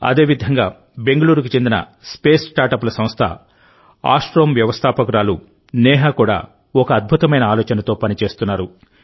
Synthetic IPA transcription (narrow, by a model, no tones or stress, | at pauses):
ɐ̰d̪e̞ːʋid̪ʱɐŋɡaː | be̞ŋɡɐluːɾukut͡ʃend̪inɐ̰spe̞ːsʈaːɾʈɐpulɐsɐmst̪ʰɐ̰ | a̰ːʂʈɾoːmʋjɐʋɐst̪ʰaːpɐkuɾaːlu | nɛːɦaːkuːɽa̰ː | ɔkɐːd̪̚bʱut̪ɐmɐjnɐaːlɔːt͡ʃɐnɐt̪o̞ːpɐnit͡ʃe̞ːst̪unːaːɾu